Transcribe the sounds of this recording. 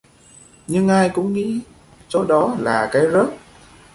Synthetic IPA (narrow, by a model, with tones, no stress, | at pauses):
ɲɨ˧ŋʔaː˧jkʊ̰˧˥ŋ͡mŋḭ˧˥ | so˨˦ɗɔ˨˦laː˨˩kaː˨˦jzə˦˥t̚